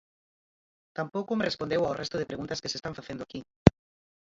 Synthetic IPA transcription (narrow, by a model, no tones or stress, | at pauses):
t̪ampowkʊmerespond̪ewawrʔɛst̪ʊðɪpɾeɣunt̪ɐskesest̪ãɱfaθend̪ʊaki